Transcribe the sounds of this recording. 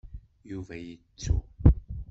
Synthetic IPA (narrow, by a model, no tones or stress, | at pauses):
juvæjət͡sːṵ